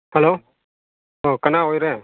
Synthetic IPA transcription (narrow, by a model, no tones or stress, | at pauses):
hɛloː | oːkɐnaːoːjɾeː